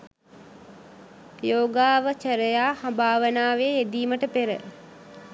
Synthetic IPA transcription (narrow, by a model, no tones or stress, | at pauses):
joːɡaːʋət͡ʃəɾəjaːhambaːʋənaːʋeed̪iːməʈəpeɾə̰